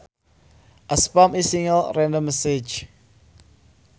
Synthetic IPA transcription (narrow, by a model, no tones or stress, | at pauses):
ʔəspɔ̃misĩŋəlɹɛ̃ndə̃məsed͡ʒ